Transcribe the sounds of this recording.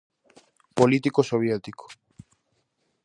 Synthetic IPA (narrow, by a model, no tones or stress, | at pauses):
polit̪ikosoβ̞jet̪iko̥